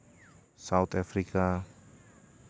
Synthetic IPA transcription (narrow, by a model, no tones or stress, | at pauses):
saut̪afɾika